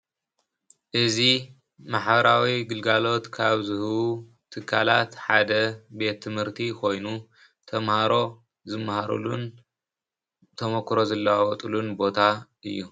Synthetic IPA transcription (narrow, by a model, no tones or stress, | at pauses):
ʔɨzi | maħbɐɾawiɡɨlɡalo̞t̪kʰaβzɨhβu | t̪ʰɨkʰːalat̪ħad̪ɐbe̞t̪ʰːɨmhɨɾt̪ʰikʰo̞jnu | t̪ʰɐmhaɾo̞ | zɨmːahaɾṵlṵn | t̪ʰɐmokʰːɾo̞zɐlːɐawɔt̪ʼulunbo̞t̪ʰa | ɨjːu